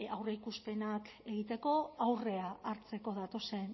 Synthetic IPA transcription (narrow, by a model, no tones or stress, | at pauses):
awreikuspe̞nake̞ɣ̞it̪e̞ko̞awre̞aːɾt͡se̞ko̞ð̞at̪o̞se̞n